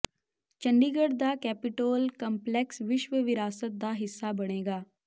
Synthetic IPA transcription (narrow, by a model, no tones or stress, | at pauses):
t͡ʃəɳɖiːɡəɽd̪aːkɛːpɪʈoːlkəmplɛksʋɪʃʋəʋɪɾaːsət̪̚d̪aːɦɪsːaːbəɽ̃eːɡaː